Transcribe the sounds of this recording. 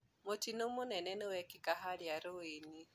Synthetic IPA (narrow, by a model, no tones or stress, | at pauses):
mʊtinumʊnɛnɛniwɛkikaɦaljaɾuwini